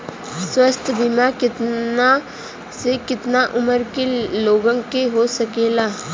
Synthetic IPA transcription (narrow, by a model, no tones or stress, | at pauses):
swəst̪ʰbɪmakɪt̪na | sekɪt̪naʔʊməɾkeloːɡə̃ŋkeɦosɐkeːlaː